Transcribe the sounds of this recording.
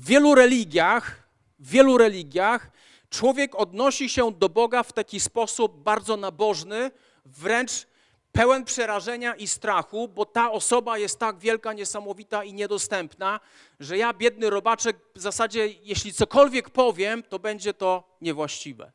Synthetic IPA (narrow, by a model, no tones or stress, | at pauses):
vːʲjɛluɾɛlʲiɡʲjax | vːʲjɛluɾɛlʲiɡʲjax | t͡ʂwɔvʲjɛkɔd̪nɔɕiɕɛd̪ɔbɔɡaft̪akʲispɔsub̚ːaɾd̪zɔnabɔʐnɘ | vɾɛnt͡ʂ | pɛwɛnpʂɛɾaʐɛɲaʔist̪ɾaxubɔt̪aɔsɔbajɛst̪ːaɡvʲjɛlkaɲɛsamɔvʲit̪aiɲɛd̪ɔst̪ɛmpna | ʐɛjabʲjɛd̪̚nɘɾɔbat͡ʂɛkvzasad͡ʑɛjɛɕlʲit̪sɔkɔlvʲjɛkpɔvʲjɛmt̪ɔbɛɲd͡ʑɛt̪ɔ | ɲɛvwaɕt͡ɕivɛ̰